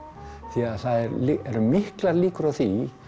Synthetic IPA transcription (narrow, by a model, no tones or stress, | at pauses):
θiaðθaðɛɾlɛɾmɪhklaɾliːkʏɾawθi